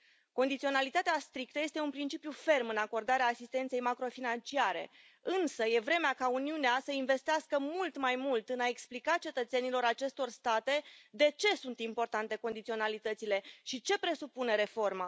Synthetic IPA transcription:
ko̞nd̪it̪sio̞nalit̪at̪east̪ɾik̚t̪əje̞st̪e̞unpɾint͡ʃipjufe̞rmɨnako̞rd̪aɾeaːsist̪ent̪sejmakɾo̞finant͡ʃiaɾe̞̰ | ɨnsəje̞vɾe̞meakauniuneasəinve̞st̪easkəmult̪majmult̪ɨnae̞ksplikat͡ʃe̞t̪ət̪se̞nilo̞ɾat͡ʃe̞st̪o̞rst̪at̪e̞d̪e̞t͡ʃe̞sunt̪impo̞rt̪ant̪e̞ko̞nd̪it̪sio̞nalit̪ət̪sile̞ʃit͡ʃe̞pɾe̞supune̞ɾe̞fo̞rma

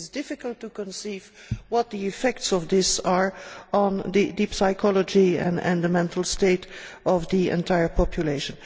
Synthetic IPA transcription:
zdɪfɪkəlˠtːukə̃nsiːv | wɔt̚d̪iɪfɛk̚tsɔvd̪ɪsaɹə̃ndɨdipsaɪkʰɔləd͡ʒiɛ̰̃nɛ̰̃ndəmɛ̃ntʰəl̩ˠsteɪtɔvdiɛ̰̃ntʰaɪə˞pʰɔpʰjuleɪʃə̃n

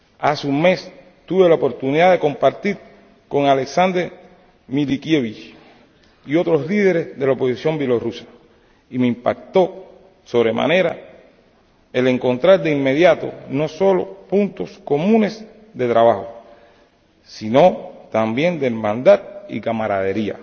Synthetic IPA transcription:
aseuŋme̞s | t̪uβe̞laopo̞ɾt̪uniðaðe̞ko̞mpaɾt̪iɾ | ko̞ŋale̞ksand̪ɾe | milikjeβit͡ʃ | io̞t̪ɾo̞slið̞e̞ɾe̞sðe̞laopo̞sisjo̞mbjelorusḁ | imeimpa̰k̚t̪o̞ | so̞βɾe̞ma̰ne̞ɾa | e̞le̞ŋkõ̞nt̪ɾaɾd̪eimːe̞ðjat̪o̞̰no̞so̞lo̞̰punt̪o̞sko̞mũne̞s | ðe̞t̪ɾaβaho̞̰ | sino̞t̪ambje̞nd̪eɾmãnd̪at̪̚ḭkamaɾa̰ðe̞ɾia̰

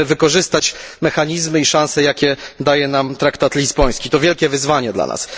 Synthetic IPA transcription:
vɘkɔʐɘst̪at͡ɕmɛxaɲizmɘiʂãñsɛjakʲɛd̪ajɛnamt̪ɾakt̪at̪lʲizbɔj̃skʲit̪ɔvʲjɛlkʲɛvɘzvaɲɛd̪la̰na̰s

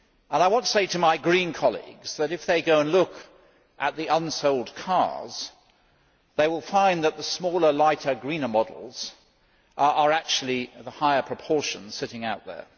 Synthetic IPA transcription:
ə̃naɪwɑ̃ntəseɪɾɨmaɪɡɹĩnkʰɑlˠḭɡz̥ðɨɾɨfðeɪɡoʊə̃nlʊk | ʔɨt̪̚ðiʔʌ̃nsoʊlˠd̚kʰɑ̰ɹz̥ | ðeɪwɪlˠfãɪ̃nðət̪̚ðəsmɔlˠə˞laɪɾə˞ɡɹĩnəmɑdˡl̩ˠz̥ | ə˞æk̚t͡ʃʉl̩ˠiðəhaɪə˞pʰɹ̥ɨpʰɔɹʃɨ̃n̥sɪɾɪ̃ŋaʊt̪̚ðə̰˞

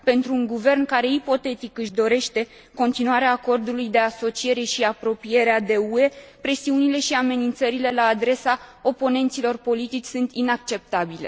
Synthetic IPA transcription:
pe̞nt̪ɾuːŋɡuve̞rnkaɾe̞ipo̞t̪e̞t̪ikɨʃd̪o̞ɾe̞ʃt̪e̞ | ko̞nt̪inuaɾeaːko̞rd̪ulujd̪e̞aso̞t͡ʃie̞ɾe̞ʃiapɾo̞pije̞ɾead̪e̞ue̞pɾe̞siunile̞ʃiame̞nint̪səɾile̞laːd̪ɾe̞sao̞po̞ne̞nt̪silo̞rpo̞lit̪it͡ʃʲsunt̪inakt͡ʃe̞p̚t̪abile̞̰

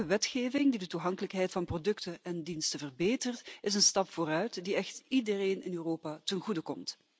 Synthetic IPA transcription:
əʋɛtxeːvɪŋdidətuɦɑŋkələkɦɛjtfɑnprodɵktəɛndinstəvərbeːtərtɪsənstɑpfoːrœɥtdiɛxtidəreːnɪnyːroːpatənɣudəkɔmt

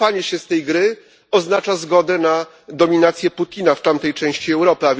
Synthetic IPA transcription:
aɲɛɕɛst̪ɛjɡɾɘ | ɔznat͡ʂazɡɔd̪ɛna | d̪ɔmʲinat̪sʲjɛput̪ʲinaft̪amt̪ɛjt͡ʂɛ̃w̃ɕt͡ɕiɛwɾɔpɘavʲ

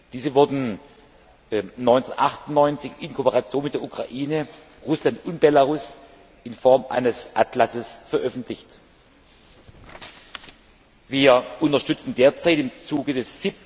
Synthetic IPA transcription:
d̥iːzəvʊɐdn̩ | nɔʏnt͡senʔa̰χtʊnnɔʏnt͡sɪçɪnkʰoːpəʁat͡sjoːnmɪtd̥eɐʔukʁ̥aʔiːnə | ʁʊslantʊnt̚b̥elaʁʊs | ʔɪnfɔɐmʔa̰ɪnəsʔatʰlasəsfɛɐʔœfn̩tʰlɪçt | viːɐʔʊntɐʃtʏt͡sn̩deːɐt͡saɪtɪmt͡suːɡədɛsz̥ip̚

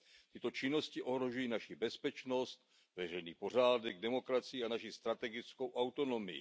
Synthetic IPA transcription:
t̪ɪt̪o̞t͡ʃɪno̞scɪʔoɦɾo̞ʒujiːnaʃɪbɛspɛt͡ʃno̞st̪ | vɛr̝ɛjniːpo̞r̝aːdɛɡdɛmo̞kɾat͡sɪjianaʃɪst̪ɾat̪ɛɡɪt͡sko̞wʔawt̪o̞no̞mɪ̰jɪ̰

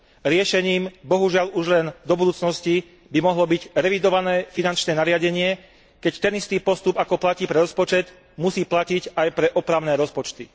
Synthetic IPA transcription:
ɾɪɛʃɛɲiːmbɔɦuʒɪaluʒlɛnd̪ɔbud̪uːt͡snɔsci | bimɔɦlɔbiɟɾɛʋid̪ɔʋanɛːfinant͡ʃnɛːnaɾɪaɟɛɲɪɛ | kɛct̪ɛnist̪iːpɔst̪upakɔplaciːpɾɛɾɔspɔt͡ʃɛd̪ | musiːplacicajpɾɛʔɔpɾaʊnɛːɾɔspɔt͡ʃt̪i

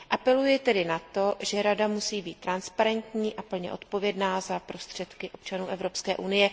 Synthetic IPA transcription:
ʔapɛlujɪt̪ɛdɪnat̪o̞ʒɛɾadamusiːbiːt̪ːɾanspaɾɛnt̪ɲiːʔapl̩ɲɛ̰ʔo̞t̪po̞vjɛdnaːzapɾo̞st̪r̝̥ɛt̪kɪʔo̞p̚t͡ʃanuːʔɛvɾo̞pskɛːʔunɪjɛ

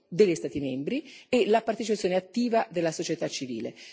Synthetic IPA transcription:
d̪elːist̪aːt̪imembɾielapart̪et͡ʃipat̪sjoːneat̪ːiːvad̪elːasot͡ʃet̪at͡ʃːivḭːlḛ

